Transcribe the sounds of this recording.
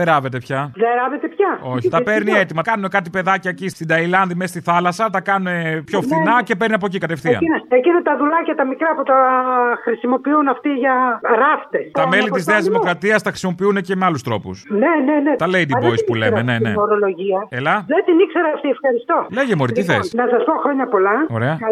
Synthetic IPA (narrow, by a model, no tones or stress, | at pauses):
eɾɐve̞t̪e̞pçɐðeɾɐvet̪epçɐo̞çit̪ɐpe̞ɾniet̪imɐkɐnune̞kɐt̪ipe̞ðɐcɐcisst̪id̪ɐilɐnðimest̪iθɐlɐsɐt̪ɐkɐnunepço̞fnθinɐce̞peɾniɐp̬o̞cikɐt̪e̞fθiɐ̰necinɐt̪ɐðulɐcɐt̪ɐmikɾɐput̪ɐxɾisimo̞piunɐft̪iʝɐɾɐft̪estɐme̞lit̪izneɐzðimokɾɐt̪iɐst̪ɐxɾisimo̞piune̞ce̞me̞ɐlust̪ɾo̞pusnenenet̪ɐleid̪ivoispulemmenee̞̰oɾoloʝiɐelɐðet̪inikse̞ɾɐɐft̪iefxɐɾist̪o̞leʝemuoɾit̪iθesnɐsɐspoxɾo̞ɲɐpolɐo̞̰ɾe̞ɐ